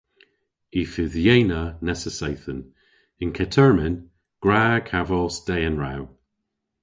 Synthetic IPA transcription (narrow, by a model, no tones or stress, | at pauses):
ifɪðjejnənɛsəsejθən | ɪnkʰɛtʰəɹmɛn | ɡ̥ɹaːkʰavɔlsd̥ejənɹaw